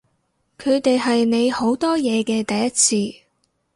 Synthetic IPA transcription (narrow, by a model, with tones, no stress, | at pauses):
kʰɵ˨˧ɥt̪e˨jɦɐ˨jne˨˧jho˨˥wt̪ɔː˥jɛː˨˧kɛː˧t̪ɐ˨jːɐ˥t̚t͡sʰiː˧